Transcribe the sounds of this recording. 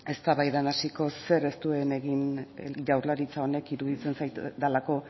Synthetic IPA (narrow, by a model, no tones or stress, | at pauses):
e̞st̪aβajðanasiko̞se̞ɾe̞st̪ue̞ne̞ɣinʝawrlaɾit͡sao̞ne̞kiɾuðit͡se̞nsajt̪d̪alako̞